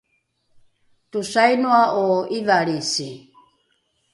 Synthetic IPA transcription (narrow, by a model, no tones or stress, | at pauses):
tusajnuaʔoivaɾisi